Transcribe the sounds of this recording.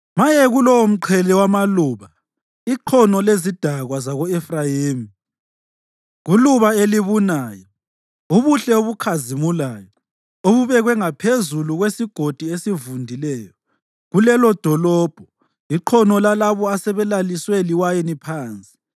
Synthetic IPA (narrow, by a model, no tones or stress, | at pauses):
majɛɣulɔwom̩ǃʰɛlɛwamaluːβa | iǃʰɔnɔlezid̥ʱaɣwazaɣɔɛfrajiːmi | ɣuluβaeliβunaːjɔ | uβuɬɛoβukʰazimulaːjɔ | oβuβɛɣwɛŋapʰezuluɣwesiɡ̥ʱod̥ʱiesivundʱilɛːjɔ | ɣulɛlɔd̥ʱɔlɔːb̥ʱɔ | iǃʰɔnɔlalaβɔasɛβɛlalisweliwajenipʰaːnt͡sʼi̥